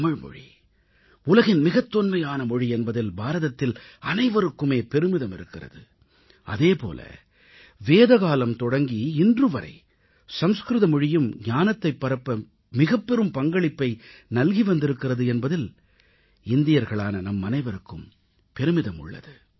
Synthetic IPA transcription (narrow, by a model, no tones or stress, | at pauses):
ɐmɪɻmɔ̰ɻḭ | ʊlɐɣɪnmɪɣɐt̪ːɔnmɐjaːnɐmɔɻiɛnbɐðɪlbaːɾɐðɐt̪ːɪlɐnɐɪʋɐɾɯkːɯmeːpɛɾɯmɪðɐmɪɾɯkːɪrɐ̰ðɯ | ɐ̰ðeːpo̰ːlɐ̰ | ʋeːðɐɣaːlɐmt̪ɔɽɐŋɡiɪndrɯʋɐɾɐ̰ɪ | sɐmskɾɯðɐmɔɻɪjɯmɲaːnɐt̪ːɐɪpːɐɾɐpːɐ | mɪɣɐpːɛɾɯmpɐŋɡɐɭɪpːɐɪnɐlɣiʋɐnd̪ɪɾɯkːɪrɐðɯɛnbɐðɪl | ɪnd̪ɪjɐɾɣɐɭaːnɐnɐmːɐnɐɪʋɐɾɯkːɯm | pɛɾɯmɪðɐmʊ̰ɭːɐ̰ðɯ